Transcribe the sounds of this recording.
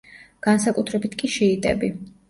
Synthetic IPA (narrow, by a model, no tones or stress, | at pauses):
ɡ̥ansakʼut̪ʰɾɛbit̪ʰkʼiʃɛːt̪ʼɛ̰bi